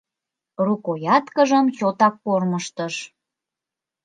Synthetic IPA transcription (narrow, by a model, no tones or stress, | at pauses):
rukojɑt̪kəʒəmɕot̪ɑkːorməʃt̪əʃ